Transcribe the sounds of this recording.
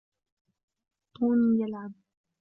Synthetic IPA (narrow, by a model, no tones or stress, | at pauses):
t̪ˤuːnijalʕab̚